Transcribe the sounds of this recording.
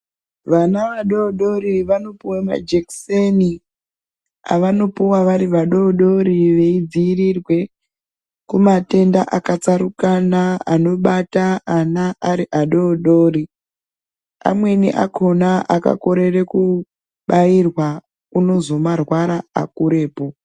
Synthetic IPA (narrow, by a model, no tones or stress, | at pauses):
ʋanaʋaɗo̞ɗo̞ɾiʋano̞puwama̰d͡ʒekseni | a̰ʋano̞puwaʋaɾiʋaɗo̞ɗo̞ɾiʋe̞id͡ziːrirwe̞ | kumate̞ndaʔakat͡saɾukanaano̞ɓataanaʔaɾiʔaɗo̞ɗo̞ːri | a̰mwe̞nḭʔa̰kʰo̞naʔaka̰ko̞ɾe̞re̞ku | ɓajirwa | uno̞zo̞marwaɾa̰ːkuɾe̞ːpo̞